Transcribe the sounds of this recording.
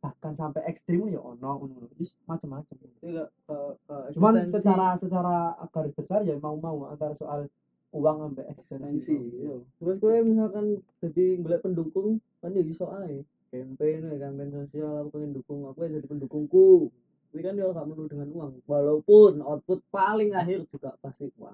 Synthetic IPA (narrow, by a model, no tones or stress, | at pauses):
b̥ahkansampɛʔɛkst̪ɾɪmja̰ʔo̰nɔhunɔunɔd͡ʒis | mat͡ʃəmːat͡ʃəma | t͡ʃumansət͡ʃaɾasət͡ʃaɾaɡ̥aɾʊsb̥əsarjamaumaua̰nt̪arsoʔal | uwaŋampɛʔɛkst̪ɛnsisit̪utubaskumis̬alkand̥adiŋɡəlɛʔpəndukʊŋ | kand͡ʒaɡisoʔaɛ | kɛmpɛnakɛmpɛnosialakpaŋɛndukʊŋakujad͡ʒadipəndukʊŋku | t̪apikandiolahŋɡaʔmənudəŋanuwaŋwalaupʊnɔt̪̚pʊt̪̚palɪŋaɦɪrd͡ʒuɡaʔpast̪iuwa̰ŋ